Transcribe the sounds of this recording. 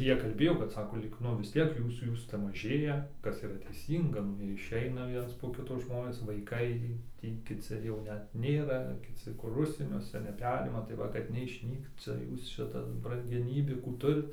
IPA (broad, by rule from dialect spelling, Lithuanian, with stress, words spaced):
ɪr ˈjiɛ kɐlʲˈbʲeːjoː kɐt ˈsɑːkoː lʲiːk ˈnʊ ʋʲɪs ˈtʲiɛk ˈjuːs ˈjuːs ˈt͡sʲɛ mɐˈʒʲeːjɛ ˈkɐs iːˈrɐ tʲɛɪˈsʲiːŋɡɐ ˈnʊ ɪˈʃʲɛɪnɐ ˈʋʲiɛns poː ˈkʲɪtoː ˈʒmoːnʲeːs ʋɐɪˈkɐɪ ˈtʲiː kʲɪˈt͡sʲɪ jɛʊ ˈnʲɛt ˈnʲeːrɐ kʲɪˈt͡sʲɪ kʊr ˈʊʃʲsʲiɛnʲuɔsʲɛ nʲɛˈpʲæːrʲɪmɐ tɐɪ ˈʋɐ kɐt nʲɛɪʃʲˈnʲiːkt ˈt͡sʲɛ ˈjuːs ˈʃʲɪtɐs brɐŋʲɡʲɛˈnʲiːbʲuː ˈkuː ˈtʊrʲɪt